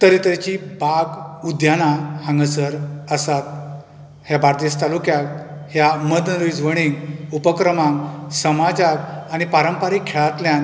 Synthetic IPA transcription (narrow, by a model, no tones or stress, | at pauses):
t̪əɾit̪ɾet͡ɕibaɡud̪janahãŋɡəsəɾəsat̪̚ | hjabaɾt̪ist̪alukjak̚hjaməd̪nəɾud͡zʋəɽ̃iŋɡupəkɾəmãŋɡsəmad͡zakañipaɾəmpaɾikʰːeɭat̪ljan